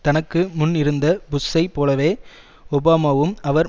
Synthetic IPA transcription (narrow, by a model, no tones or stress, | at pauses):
t̪ɐnɐkːɯmʊnːɪɾɯnd̪ɐbʊsːɐɪpːoːlɐʋeː | ɔbaːmaːʋɯmɐʋɐɾ